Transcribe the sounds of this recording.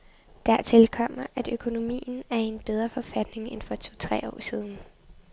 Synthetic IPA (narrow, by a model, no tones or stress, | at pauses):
d̥æɐt͡sʰe̝lkʰɒ̽m̰ɐʔæd̥økʰo̝no̝mḭːn̩æɐe̝nb̥eð̞ˠʁɐfɒ̽fæd̥ne̝ŋenfɒ̽t͡sʰot͡sʰʁɛ̰ːɒ̰ːsiːð̞ˠn̩